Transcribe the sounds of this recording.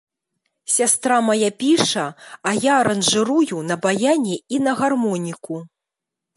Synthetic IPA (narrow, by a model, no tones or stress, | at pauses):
sʲast̪ɾamajapʲiʂɐajaɐɾɐnʐɨɾujunɐbajanʲiinɐɣarmɔnʲiku